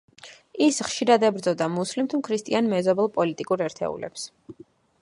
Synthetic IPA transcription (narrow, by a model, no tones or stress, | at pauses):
isχʃiɾad̪ɛbɾd̪zɔd̪amuslimt̪ʰumkʰɾist̪ʼianmɛzɔbɛlˠpʼɔlit̪ʼikʼuɾɛɾt̪ʰɛ̰ṵlɛ̰ps